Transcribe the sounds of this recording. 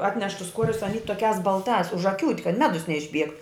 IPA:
ˈɑːtʲnʲɛʃ tʊs ˈkuɔrʲʊs ɐˈnʲiː toːˈkʲæːs bɐlˠˈtɑːs ʊʒɐˈkʲuːtʲ kɐt ˈmʲæːdʊs nʲɛɪʒʲˈbʲiɛkt

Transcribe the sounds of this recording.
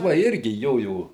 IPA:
ʋɐ ˈɪrʲɡʲɪ ˈjoːjoː

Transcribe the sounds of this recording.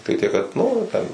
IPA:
tʲɪkˈtɐɪ tʲiɛk kɐt ˈnʊ ˈtʲɛn

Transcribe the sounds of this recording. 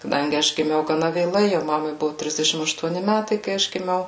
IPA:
kɐˈdɐŋʲɡʲɪ ˈɐʃ ɡʲɪˈmʲɛʊ ɡɐˈnɐ ʋʲeːˈlˠɐɪ jɛʊ ˈmɑːmɐɪ ˈbʊʋʊ ˈtʲrʲɪzʲdʲɛʃʲɪm ɐʃtuɔˈnʲɪ ˈmʲætɐɪ kɐɪ ˈɐʃ ɡʲɪˈmʲɛʊ

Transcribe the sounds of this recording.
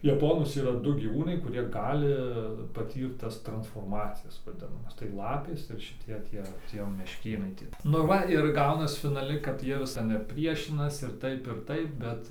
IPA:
jɛˈpoːnʊs iːˈrɐ ˈdʊ ɡʲiːˈʋuːnɐɪ kʊˈrʲiɛ ˈɡɑːlʲɪ pɐˈtʲiːrt ˈtɐs trɐnsfoːrˈmɑːt͡sʲɪjɛs ʋɐˈdʲɪnɐmɐs tɐɪ ˈlˠɑːpʲeːs ɪr ʃʲɪˈtʲiɛ ˈtʲiɛ ˈtʲiɛ mʲɛʃʲˈkʲeːnɐɪ ˈtʲiɛ nʊ ˈʋɐ ɪr ˈɡɐʊnɐs fʲɪnɐˈlʲɪ kɐt ˈjiɛ ʋʲɪs tʲɛn ɪr ˈpʲrʲiɛʃʲɪnɐs ɪr ˈtɐɪp ɪr ˈtɐɪp ˈbʲɛt

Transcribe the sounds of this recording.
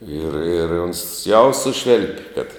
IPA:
ɪr ɪr oːns ˈjɛʊ ˈsʊʃʲʋʲeːlʲpʲ kɐt

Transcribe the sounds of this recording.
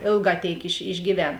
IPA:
ˈeːlˠˌɡɑː ˈtʲeːɪk ɪʃ ɪʒʲɡʲiːˈʋʲɛn

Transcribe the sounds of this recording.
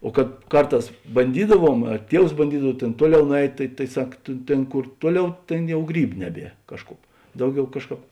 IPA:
oː kɐt ˈkɐrˌtɑːs bɐnʲˈdʲiːdɐˌʋuɔm ɐ ˈtʲiɛws bɐnʲˈdʲiːdɐw ˈtʲeːn ˈtuɔˌlʲɛʊ nʊˈɛɪtʲ tɐɪ tɐɪ ˈsɐk tʲeː ˈtʲeːn ˈkʊr ˈtuɔˌlʲɛʊ ˈtʲeːn ˈjɛʊ ˈɡrʲiːbʊ ˈnʲæːˌbʲiɛ ˈkɑːʃˌkʊp ˈdɐʊˌɡʲɛʊ ˈkɑːʃˌkɑːp

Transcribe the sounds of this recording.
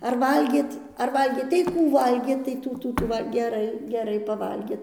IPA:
ɐr ˈʋɐlʲɡʲeːt ɐr ˈʋɐlʲɡʲeːt tɐɪ ˈkuː ˈʋɐlʲɡʲeːt tɐɪ ˈtuː ˈtuː ˈtuː ˈʋɐ ɡʲɛˈrɐɪ ɡʲɛˈrɐɪ pɐˈʋɐlʲɡʲeːt

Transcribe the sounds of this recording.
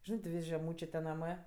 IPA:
ˈʒʲɪnɜ tʲɪ ˈʋʲɪsʲ ʒʲɛˈmuːt͡ʃʲeː ˈnɑːmɜ

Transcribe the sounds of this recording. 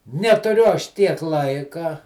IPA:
nʲɛtʊˈrʲʊ ˈɐʃ ˈtʲiɛk ˈlˠɐɪkɐ

